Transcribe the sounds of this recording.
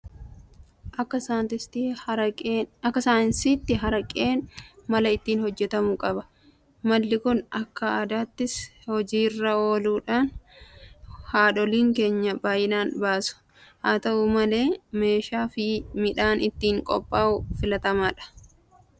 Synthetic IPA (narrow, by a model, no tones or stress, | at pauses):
ʔɐːɐat̪ɪst̪ʼː | ɐkːɐsaːnsiːt̪ːɪɦɐɾɐkʼeːnmɐlɐɪt̪ːiːnhɔd͡ʒːɛt̪ɐmukʼɐbɐ | mɐlːɪkʊnɐkːɐaːd̪aːt̪ːɪshɔd͡ʒiːrːɐo̞ːluːᶑaːn | haːᶑɔliːŋke̞ːɲːɐbaːjɪnaːnbaːsʊ̥ | haːt̪ɐʔumɐle̞ːme̞ːʃaːfɪmɪᶑaːnɪt̪ːiːŋkʼɔ̰pʼːaːʔʊfɪlɐt̪ɐmaːᶑɐ̥